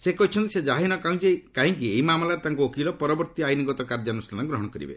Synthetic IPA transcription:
sekɔɦit͡ʃʰɔnt̪ised͡ʒaɦinɔkaũd͡ʒekaɦĩŋkieɦimamlaɾet̪aŋkuokilɔpɔɾɔbɔɾt̪iajniɡɔt̪ɔkaɾd͡ʒɔnusɾanaɡɾɔɦɔɽ̃ɔkɔɾḭbḛ

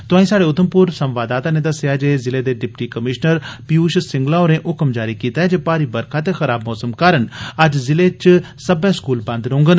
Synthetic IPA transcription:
t̪ʊãːĩːsaːɖeːʊt̪ʰəmpʊɾsəmʋaːd̪aːt̪ãːneːd̪əseaːd͡ʒeːzɪleːd̪eːɖɪpʈiːkəmɪʃnəɾpiuːʃsɪ̃ŋɡlãːoːɾẽːʔʊkəmd͡ʒaːɾiːkiːt̪aːɦɛːd͡ʒeːpaːɾiːbəɾkʰaːt̪exəɾaːbmɔːsəmkaːɾənəd͡ʒzɪlet͡ʃ | səbɛ̃ːskuːlbɐ̃nd̪ɾõːŋɡən

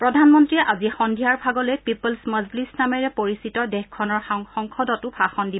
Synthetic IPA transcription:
pɹɔdʱanmɔntɹiʔazixɔndʱijaɹbʱaɡɔlejpipɔlsməzlisnamɛɹɛpoɹisitɔdɛxkʰɔnɔɹxɔŋkʰɔdɔtʊbʰʱaxɔndi

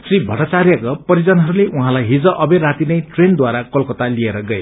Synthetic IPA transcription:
sribʱʌʈʌt͡sarjʌkʌpʌɾid͡zʌnɦʌɾuleʔuɦãlajɦid͡zʌʔʌberat̪inʌjʈrend̪waɾakʌlkʌt̪alieɾʌɡʌe

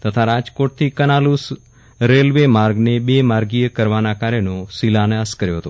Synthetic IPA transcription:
t̪ət̪ʰaɾad͡ʒkoʈ̚t̪ʰikənalus | ɾelʋemaɾɡnebemaɾɡijəkəɾʋanakaɾjənõsilanaskəɾjoɦət̪o

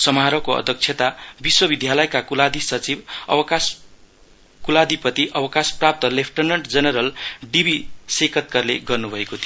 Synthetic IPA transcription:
sʌmaɾʌkoʌ̰d̪ʱjʌk̚t͡sʰjet̪abiswʌbid̪ʱjalʌjkakulad̪isʌt͡sibʌ̰wʌkas | kulad̪ipʌt̪iʔʌwʌkasprap̚t̪ʌlepʰʈʌnʌɳʈd͡zʌnʌɾʌlɖibisekʰʌt̪̚kʌrlḛɡʌrnubʱʌekot̪ʰi

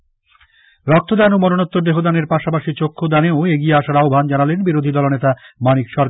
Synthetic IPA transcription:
ɾɔk̚t̪od̪ɛnomɔnonot̪ːoɾd̪eɦod̪aneɾpaʃapaʃit͡ɕokʰːod̪aneoeɡieaʃaɾaobʱand͡ʑanalenbiɾod̪ʱid̪ɔlonet̪amanikʃɔɾk

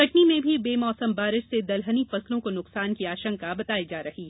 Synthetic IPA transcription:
kɐʈnimẽbʱibeːmɔːsəmbaːɾɪʃsed̪ɐlɦənifɐslõkonʊqsaːnkiaːʃə̃ŋkabɐt̪aːid͡ʒaːɾɐhi

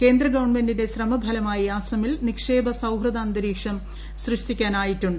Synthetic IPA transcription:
ke̞ːnd̪ɾɐɡɐʋɐɳmendinde̞ɕrɐmɐbʱɐlɐmaːjiaːsɐmilnikʂe̞ːbʱɐsɐwɦrɐd̪aːnd̪ɐɾiːkʂɐm | ɕrɨʂtikʲːaːnaːjitːuɳɖɨ

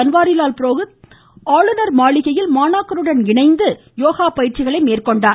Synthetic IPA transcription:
ɐnʋaːɾɪlaːlpɪɾoːɣɯ | aːɭɯnɐɾmaːɭɪɣɐjɪlmaːnaːkɐɾɯɽɐnɪɳɐɪnd̪ɯ | joːɣaːpɐjɪɾt͡ʃɪɣɐɭɐɪmeːrkɔɳɖaː

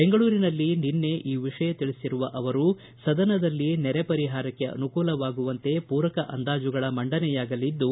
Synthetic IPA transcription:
beŋɡɐɭuːɾinɐlːininːe̞ʔiːʋiʂɐjɐt̪iɭisiɾuʋɐʔɐʋɐɾu | sɐd̪ɐnɐd̪ɐlːinɛɾepɐɾiɦaːɾɐkːɐʔɐ̰nukuːlɐʋaːɡuʋɐnt̪e̞puːɾɐkɐʔɐ̰nd̪aːd͡ʒuɡɐɭɐmɐɳɖɐnɛjaːɡɐlid̪ːu

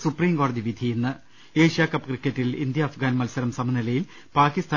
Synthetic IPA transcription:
supriːmko̞ːɽɐðiʋid̪ʱienːɨ | e̞ːʂijaːkɐpːkrikʲːɐtːilḭnd̪jɐːfɡaːnmɐlsɐɾɐmsɐmɐnilɐjil | paːkist̪ʰaː

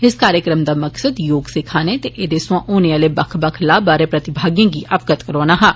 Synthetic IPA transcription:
ɪskaːɾjəkɾəmd̪aːməksəd̪joːɡsɪkʰaːneːt̪eʔeːd̪eːsʊʋãːʔoːneaːleːbəkʰbəkʰlaːbaːɾeːpɾət̪ɪbʱaːɡijãːɡiːʔʔəpɡət̪kəɾɔːnaːɦãː

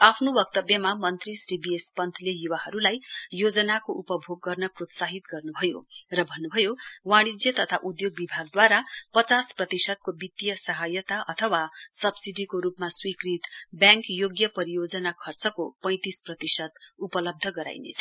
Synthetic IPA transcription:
apʰnobʌkt̪ʌbjʌmamʌnt̪risribiespʌnt̪ʰlejuwaɦʌɾulajjod͡zʌnakoʔupʌbʱoɡːʌrnʌprot̪saɦit̪ɡʌrnubʱʌjo̰rʌbʱʌnːubʱʌjowaɽ̃id͡zjʌt̪ʌt̪ʰa̰ʔud̪joɡ̚bibʱaɡd̪waɾapʌt͡sasprʌt̪isʌd̪̚kobit̪ijʌsʌɦajʌt̪aʔʌt̪ʰʌwasʌbsiɖikoɾupmaswikrit̪bjãŋkjoɡjʌpʌɾijod͡zʌnakʰʌrt͡sʌkopʌ̃j̃t̪isprʌt̪isʌd̪upʌlʌb̚d̪ʱʌɡʌɾa̰jnḛt͡sʰʌ

